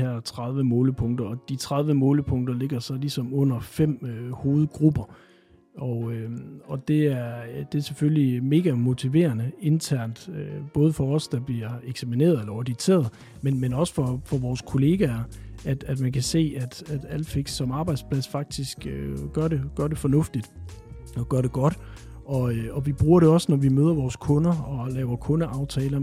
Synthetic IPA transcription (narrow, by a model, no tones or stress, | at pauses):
hæɐ̰t͡sʰʁɑð̞ˠʋəmɔːləpʰɔ̽ŋd̥ɐɒ̽d̥it͡sʰʁað̞ˠʋəmɔ̽ːləpʰɔ̽ŋ̰d̥ɐle̝ɡ̥ɐsɒ̽lisɒ̽mɔ̽n̰ɐfem̰ho̝ːð̞̩ˠɡ̥ʁub̥ɐ | ʔɒøɒ̽d̥e̝æɐd̥e̝æɐseføllime̝ːɡ̥æmo̝t͡sʰiʋe̝̰ːɐnəe̝nt͡sʰæɐ̰nd̥øb̥ɔ̽ːð̞ˠəfɒ̽ɒ̽sd̥ɑ̈b̥liɐeɡ̥sæmine̝̰ɐð̩ˠelɐɒd̥it͡sʰe̝̰ːɐðˠ | menmenɒ̽sə̥fɒfɒʋɒːskʰo̝le̝ːɡ̥æɐæd̥æd̥mænkʰæse̝̰ːæd̥æd̥æl̰d̥fe̝ɡ̥sːɒ̽mɑ̈ːb̥ɑ̈ɪd̥spʰlæsfɑ̈ɡ̥̚d̥isɡ̥øɡ̥ɶɐɾeɡ̥ɶɐɾe̝fɒ̽nɔ̽fd̥id̥ɒɡ̥ɶɐɾ̥e̝ɡ̥ɒ̽d̥ | ɒ̽ɒ̽ʋib̥ʁuːɐɾeɒ̽sənɒʋimøðˠɐʋɒːskʰɔ̽nɐɒ̽lɛːʊɐkʰɔ̽nəʔɑ̈ʊt͡sʰɛːlɐ